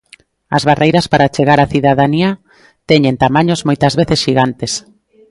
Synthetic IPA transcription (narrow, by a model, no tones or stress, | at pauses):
ɐ̰zβarejɾɐspaɾat͡ʃeɣaɾaθiðaðania | t̪ɛɲent̪amaɲozmojt̪ɐzβeθesʃiɣant̪es